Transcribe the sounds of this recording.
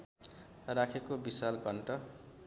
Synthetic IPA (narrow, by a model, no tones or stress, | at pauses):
rakʰekobisalkʌɳʈʌ